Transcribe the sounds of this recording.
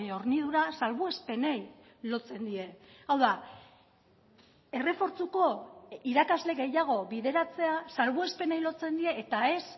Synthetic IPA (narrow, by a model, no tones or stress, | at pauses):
o̞ɾniðuɾasalβue̞spe̞nej | lo̞t͡se̞nd̪ie̞ | awða | e̞re̞fo̞ɾt͡suko̞iɾakazle̞ɣe̞jaɣ̞o̞βiðe̞ɾat͡se̞asalβue̞spe̞ne̞jlo̞t͡se̞nd̪ie̞ːt̪ae̞s